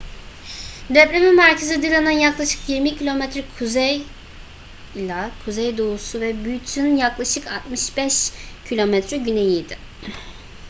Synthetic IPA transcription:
d̪ɛpɾemimæɾcʰezid̪ɯlˠananjaklˠaʃɯ̥kjiɾmicʰilʲo̞mɛt̪ɾɛkʰuzɛj | lʲakʰuzɛjd̪ousuvɛbyjyt̪ʰynjaklˠaʃɯkat̪mɯʃbɛʃcʰilʲo̞mɛt̪ɾɛɟyne̞jijd̪ɪ

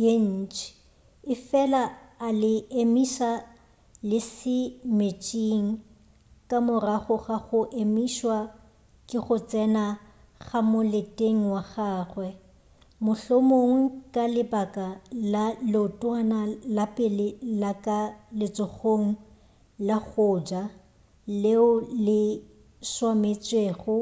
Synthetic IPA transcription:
jen̩ːt͡ʃʼɪ̥ | ɪfɛlaːlɪemiʃa | lɪsɪmet͡ʃʼiŋ̩ | kʼamʊraχʊχaχʊʔemiʃwa | kʼɪχʊt͡sʼɛna | ɣamʊletʼeŋ̩waɣaːχwɛ | mʊɬomoŋ̩kʼalɪbakʼalalɪʊtʼwanalapʼɪlɪlakʼalɪt͡sʼʊχoŋ̩ | laɣʊːd͡ʒa | leʊlɪ | swamet͡sʼweχʊ

